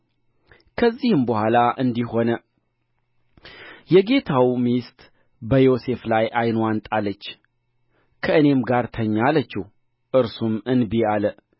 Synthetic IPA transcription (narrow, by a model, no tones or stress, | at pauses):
kʰəzːihɨmbəhʷalaʔɨnd̪iho̞nə | jɛɡe̞t̪ʰawmist̪ʼ | bəjo̞se̞flajʔajnwant̪ʼalːət͡ʃː | kʰəɨne̞mɡaɾt̪ʰəɲːalət͡ʃːɪh | ʔɨɾsumɨnbialə